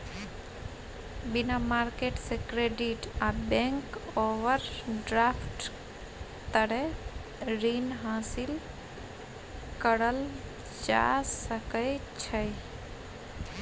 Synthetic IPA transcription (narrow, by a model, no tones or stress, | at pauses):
binamaɾkeʈsekɾeɖiʈabẽŋkoʋəɾɖɾapʰʈ | t̪əɾe | ɾinɦãsil | kəɾəl | d͡ʒa̰səkəɪt͡ʃʰəj